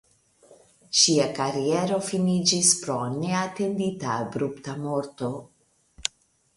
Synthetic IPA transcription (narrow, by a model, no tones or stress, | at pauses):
ʃiakaɾieɾo̞finid͡ʒispɾone̞ate̞nditaabɾuptamo̞ɾto̞